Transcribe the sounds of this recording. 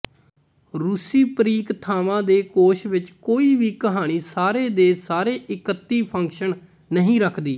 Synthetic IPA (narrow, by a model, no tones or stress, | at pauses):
ɾusiːpəɾiːkt̪ʰaːʋãːd̪eːkoːʃʋɪt͡ʃkoːiːʋiːkəɦaːɽ̃iːsaːɾeːd̪eːsaːɾeːʔɪkət̪ːiːpʰəŋkʃən | nəɦĩːɾəkʰd̪iː